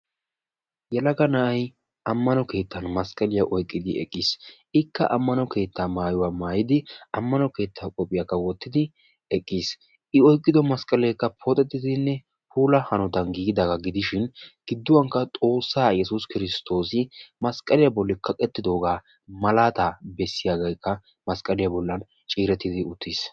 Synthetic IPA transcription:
jɛlɐɡɐnɐʔɐj | ʔɐmːɐnɔke̞ːt̪ːɐnmɐskʼɐlɪjɐʔɔjkʼːɪd̪ɪɛ̰kʼːɪs | ɪkːɐ̰ʔɐmːɐnɔke̞ːt̪ːaːmaːjʊwaːmaːjɪd̪ɪɐmːɐnɔke̞ːt̪ːaːkʼɔpʼɪjakːɐwɔt̪ːɪd̪ɪ | ɛkʼːiːs | ɪɔjkʼːɪd̪ɔmɐskʼɐlɛjkːɐpʰɔt̪ʼɛt̪ːɪd̪ɪnːɛ | puːlɐhɐnɔt̪ɐnɡiːɡɪd̪ɐɡɐɡɪd̪ɪʃɪnɡ̥ɪd̪ːʊwɐŋkːɐt̪ʼo̞ːsːaːjɛsʊskɪɾɪst̪ʰo̞ːsɪmɐskʼːɐlɪjɐbɔlːɪkʰɐkʼɛt̪ːɪd̪o̞ːɡaː | mɐlaːt̪abɛsːɪjaɡɐjkʰːɐ | mɐskʼɐlɪjɐbɔlːɐn | t͡ʃʼiːɾɛt̪ːɪd̪ɪʊt̪ːis

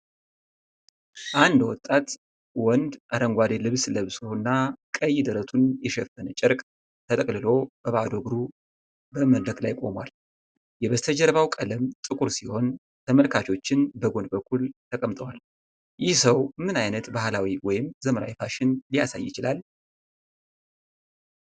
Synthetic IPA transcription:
ʔand̪wɔt̪ʼat̪ | wɔnd̪ʔaɾəŋɡʷad̪elɨβsləβsonːakʼəjːɪd̪əɾət̪ʰunjɛʃɛfənət͡ʃʼɪɾkʼ | t̪ʰət̪ʼəkʼlɨlo̞bəβad̪oɡɾu | bəməd̪ɾəkʼlajkʼo̞̰mwal | jɛβəst̪ʰəd͡ʒəɾβawkʼələmt̪ʼɨkʼuɾsiho̞n | t̪ʰəməlkʰat͡ʃo̞t͡ʃːɪnbəɡo̞nd̪bəkʰːult̪ʰəkʼəmt̪ʼəwal | jɪhsəwmɨnajnət̪bahlawiwɔjɪmzəməɾa̰wifʰaʃɪnlijasa̰jːɪt͡ʃɪlal

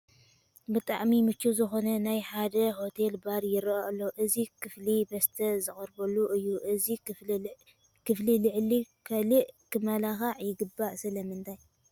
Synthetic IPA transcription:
bɨt̪ʼaʕmimɨt͡ʃːuzɨxo̞nɐnajħad̪ɐho̞t̪ʰe̞lbaɾjɪɾaʔɐlːoʔɨzikʰɨflibɐst̪ʰɐzɨxʼɨɾbɐlːuʔɨjːuʔɨzi | kʰɨflilɨʕlikʰɐlɨʔkʰɨmɐlaxaʕjɪɡɨbːaʔsɐlɐmɨnt̪ʰaj

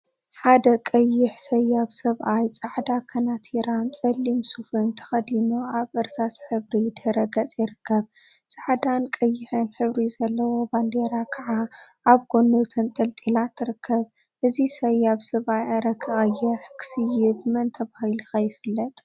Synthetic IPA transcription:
ħad̪ɐkʼɐjːɪħsɐjaβsɐβʔajt͡sʼɨʕd̪akʰɐnat̪ʰiɾant͡sʼɐlːimsufɨnt̪ʰɐ̥xɐd̪inuʔaβʔɨɾsasħɨβɾid̪ɐɾɐɡɐt͡sʼjɪɾɨkːɐβt͡sʼaʕd̪ankʼɐjːɪħɨnħɨβɾizɐlːɐwo̞band̪eɾakʰaʕa | aβɡo̞nːot̪ʰɨnt̪ʼɐlt̪ʼilat̪ʰːɨɾɨkʰːɐβ | ʔɨzisɐjaβsɐβʔajaɾɐkʰːɨɣʼɐjːɪħkʰɨ̥sɨjɪbɨmɐnt̪ʰɐβahiluxɐjɪfɨlːɐt̪ʼ

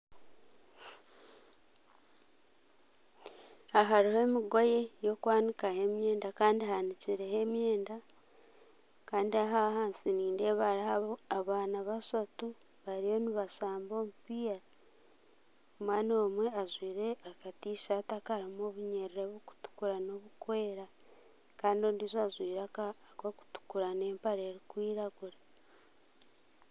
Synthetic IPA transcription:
aɦaɾihoe̞miɡo̞je̞jo̞kwaːnikahe̞mje̞ːndakaːndihaniciɾeɦe̞mje̞ːnda | kaːndiaɦahaːnsiniːndeβaɾihaaβaːnaβasatu | βaɾijo̞niβasaːmbo̞ːmupiːa | omwaːnoːmwe̞azwiːɾeakatiːʃatakaɾimoβuɲeɾiɾeβuku̥tu̥kuɾano̞βukwe̞ːɾa | kaːndio̞ːndiːzazwiːɾaka | koku̥tu̥kuɾane̞ːmpaɾe̞ːɾikwiːɾaɡuɾa

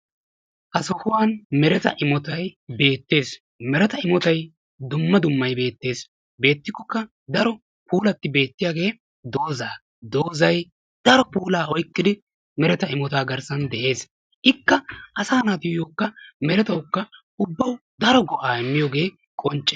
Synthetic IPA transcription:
ʔɐsɔhʊwaːnmɛɾɛt̪ɐ̰ʔɪmɔt̪ɐjbe̞ːt̪ːe̞ːs | mɛɾɛt̪ɐɪmɔt̪ɐj | d̪ʊmːɐd̪ʊmːɐjbe̞ːt̪ːe̞ːs | be̞ːt̪ːɪkːɔkːɐ | d̪ɐɾɔ | pʰuːlɐt̪ːɪbe̞ːt̪ːɪjaːɡe̞ː | d̪o̞ːzaː | d̪oːzɐj | d̪̥ɐɾɔpuːlaːɔjkːɪd̪ɪ | mɛɾɛt̪ɐɪmɔt̪aːɡɐɾsɐnd̪ɛʔe̞ːs | ʔɪkːɐʔɐsaːnaːt̪ɪjjoːkːɐmɛɾɛt̪ɐwkːɐ | ʊbːɐwd̪ɐɾɔɡɔʔaːɪmːɪjɔɡe̞ː | kʼɔnt͡ʃʼːɛ̥

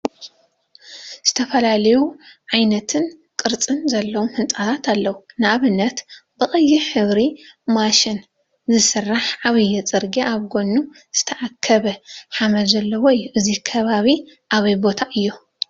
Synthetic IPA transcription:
z̥ɨ̥t̪ʰɐfɐlalɐjuʕajnɐt̪ʰɨn | kʼɨɾt͡sʼɨnzɐlːɐwomhɨnt͡sʼat̪ʰat̪ʰalːɐwunɨʔaβɨnːɐt̪bɨχʼɨjːiħɨβɾimaʃɪn | zɨsɨrːaħʕaβɨjːɛt͡sʼɨɾɡiʔaβɡo̞nːu | z̥ɨt̪ʰɐʕakʰːɐβɐħamɐzɐlːɐwɔjʔɨzikʰɐβaβi | ʔaβɐjbo̞t̪ʰaʔɨjːu

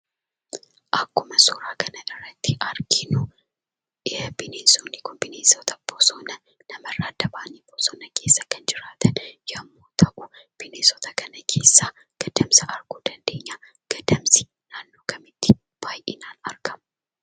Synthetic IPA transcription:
ʔɐkːʊmɐsɔːɾaːkɐnɐʔɪrɐt̪ːiʔɐɾɡɪnu | ʔɪhɛbɪneːsonːikʊnbɪneːsot̪ɐb̥osonɐ | nɐmɐrːaːd̪ɐbaːnib̥osɔːnɐke̞ːsːɐkɐnd͡ʒɪɾaːt̪ʰɐnjɐmːoːt̪ʰɐʔʊb̥ɪneːsɔt̪ɐkɐnɐkʰe̞ːsːa | ɡ̥ɐd̪ɐmsɐʔɐɾɡ̥uːd̪ɐnd̪e̞ːɲːaː | ɡ̥ɐd̪ɐmsɪ̥ | naːnːoːkʰɐmɪt̪ːɪ̥ | b̥aːjʔɪnaːnɐɾɡɐm

